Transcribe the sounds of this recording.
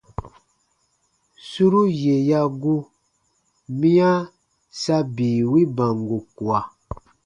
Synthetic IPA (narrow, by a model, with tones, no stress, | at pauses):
su˦ɾu˦je˨ja˦ɡu˦ | mĩ˦a˦ | sa˦biː˨wi˦ba˨ŋɡu˨ku˨a˨